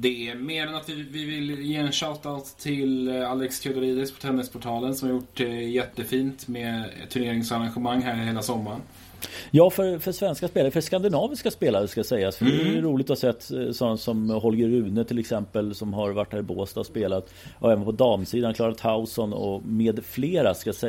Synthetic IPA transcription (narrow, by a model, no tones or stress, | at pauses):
d̪ɛmeːnanat̪vɪvɪvɪljenɕaːt̪ːaɔst̪ʰɪlalːɛkskʰœd̪əɾiːd̪ɪspʰɔt̪ʰɾɛnːɪspʰʊʈʰɑːlənsɔmhaɾjʊʈːjɛt̪ːəfiːnt̪mɛt̪ʰɵɳeːɾɪŋsaɾanɧəmaŋːɦæːɾheːlasɔmːaɾən | jɑːfœɾfœʂvɛnskaspeːlaɾəfœʂkand̪ɪnɑːvɪskaspeːlaɾəskajsɛjːasfœdɛɾuːlɪɡ̚t̪ɔhasɛt̪ːsɔnːasɔmhɔlɡəɾʉ̟ːnət̪ʰɪlɛksɛmpəlsɔmɦaɾvaʈːhæːɾɪboːst̪aɔspeːlat̪ | ɔɛːvənpʰɔd̪ɑːmsiːd̪ankʰlɑːɾat̪haʊsɔnɔ̰meːd̪fleːɾaskasɛ